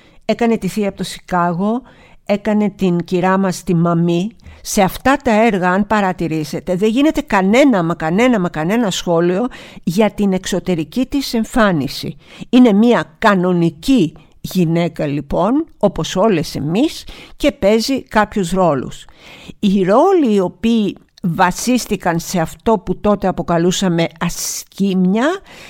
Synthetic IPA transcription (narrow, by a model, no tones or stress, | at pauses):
e̞kɐne̞t̪iθiɐpot̪osi̥kɐɣo̞ | e̞kɐne̞t̪iŋciɾɐmɐst̪imɐmise̞ɐft̪ɐt̪ɐe̞ɾɣɐɐnpɐɾɐt̪iɾise̞t̪e̞ðe̞ɲʝine̞t̪e̞kɐne̞nɐmɐkɐne̞nɐmɐkɐne̞nɐsxo̞lio̞ʝɐt̪ine̞kso̞t̪e̞ɾicit̪ise̞ɱfɐnisḭine̞miɐkɐno̞nici | ʝine̞kɐlipo̞no̞po̞so̞le̞se̞misce̞pe̞zikɐpçusɾo̞lṵsiɾo̞liːo̞piː | vɐsist̪ikɐnse̞ɐft̪o̞put̪o̞t̪e̞ɐpo̞kɐlusɐme̞ɐscimɲɐ